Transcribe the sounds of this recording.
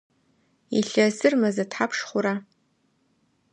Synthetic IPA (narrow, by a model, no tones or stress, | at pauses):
ḭɬɐzɨrmɐzɐtħapʰʂχʷʊɾa